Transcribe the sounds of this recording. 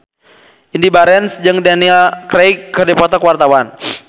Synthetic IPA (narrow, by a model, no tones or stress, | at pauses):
ʔindibaɾɛnsd͡ʒɨŋdanilkɾɛjkːədɛpɔt̪ɔkuwart̪awan